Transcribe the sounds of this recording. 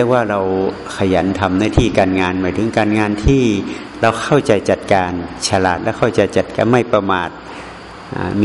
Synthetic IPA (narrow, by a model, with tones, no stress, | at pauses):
ək̚waː˥˩ɾa˧w | kʰa˧ja˩˦nt̪ʰa˧mnaː˧˥˩t̪ʰiː˥˩kaː˧nŋaː˧nmaː˨˦jt̪ʰɯ˩˦ŋkaː˧nŋaː˧nt̪ʰiː˥˩ | ɾa˧wkʰa˥˩wt͡ɕa˧jt͡ɕa˨˩t̪̚kaː˧nt͡ɕʰa˧la̰ː˨˩t̪̚lɛ˦˥˩wkʰa˥˩wt͡ɕa˧jt͡ɕa˨˩t̪̚ka̰ː˧nma˥˩jpɾa˧maː˨˩t̪̚ | ʔa̰˧˩mː˧